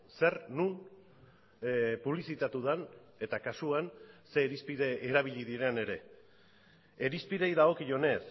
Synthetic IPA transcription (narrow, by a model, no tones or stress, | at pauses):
se̞ɾnun | puβ̞lisit̪at̪uðan | e̞t̪akasuanse̞ːɾispiðeːɾaβiʎiðiɾe̞ne̞ɾe̞ | ɾispiðe̞jðaɣo̞kiʝo̞ne̞s